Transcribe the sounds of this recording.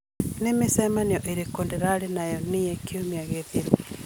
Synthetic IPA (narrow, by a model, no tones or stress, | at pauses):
nemesɛmaneɔʔeɾekondeɾaɾenajɔnijɛkeomiaɣeðiɾu